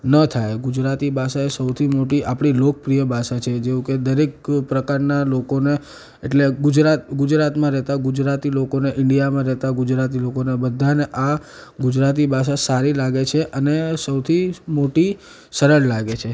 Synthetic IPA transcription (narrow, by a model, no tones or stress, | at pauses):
nət̪ʰajɡʊd͡ʒɾat̪ibʱaʃaesəwt̪ʰimoʈiʔapɽ̃ilok̚əpɾijəbʱaʃat͡ʃʰed͡ʒeũked̪əɾekpɾəkaɾnalokone | eʈleɡʊd͡ʒɾat̪ɡʊd͡ʒɾat̪mãɾɛɦt̪aɡʊd͡ʒɾat̪ilokoneʔɪɳɖijamãɾɛɦt̪aɡʊd͡ʒɾat̪̬ilokonebəd̪ʱːaneʔa | ɡʊd͡ʒɾat̪̬ibʱaʃ̬asaɾilaɡet͡ʃʰeʔənesəwt̪ʰimoʈi | səɾəɽlaɡet͡ʃʰe